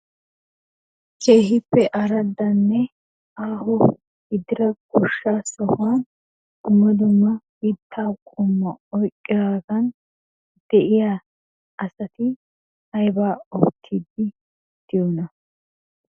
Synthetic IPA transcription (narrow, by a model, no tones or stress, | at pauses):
kʼejɦɪpːɛʔɐɾɐd̪ːɐnːɛ | aːhʊ | hɪd̪ɪɾɐɡʊʃːaːsɔhʊwaːn | ʊmːɐd̪ʊmːɐbiːt̪ʰːaːkʼʊmːɐɔjkʼːɪɡaːɡɐn | d̪̥ɛʔɪjaː | ɐsɐt̪ɪ | hɐjbaːɔbt̪ʰːid̪ːɪ | d̪̥ɪjɔnɐ